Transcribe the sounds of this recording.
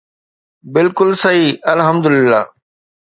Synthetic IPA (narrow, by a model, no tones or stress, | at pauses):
bɪlkʊlsɐɦiːɐlɦɐmd̪ʊlɪlːa̰ː